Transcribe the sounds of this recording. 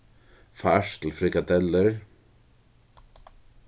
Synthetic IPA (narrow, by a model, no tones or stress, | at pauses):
faʂt̪l̩fɾɪkat̪ɛlːɪɾ